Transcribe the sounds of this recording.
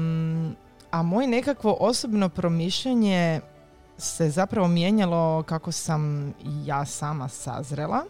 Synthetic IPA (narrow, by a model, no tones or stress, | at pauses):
amo̞jene̞kakʋo̞ʔosobno̞pɾo̞miːʃʎeɲe | se̞zapɾaʋo̞mje̞ɲalˠo̞kakosamijaːsaːmasa̰zɾelˠa